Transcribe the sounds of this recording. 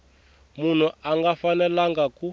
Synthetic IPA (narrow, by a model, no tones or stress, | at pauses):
mun̤uaŋɡafanɛlaŋɡaku